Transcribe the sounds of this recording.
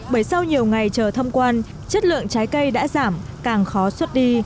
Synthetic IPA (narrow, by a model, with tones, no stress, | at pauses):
ɓəː˧˩jsa˧wɲi˨˩əwŋa˨˩jt͡ɕəː˨˩t̪ʰə˧wŋ͡mkwaː˧n | t͡ɕə˦˥t̚lɨ̰˧˨əŋt͡ɕaː˨˦jkə˧jɗa̰ː˧˥zaː˧˩mkaː˨˩ŋxɔ˨˦swə˦˥t̚ɗi˧